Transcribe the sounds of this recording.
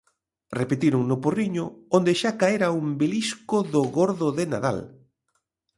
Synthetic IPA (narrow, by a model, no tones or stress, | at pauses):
repet̪iɾʊŋnʊporiɲʊond̪eʃakaeɾaumbeliskʊðʊɣoɾðʊðena̰ða̰l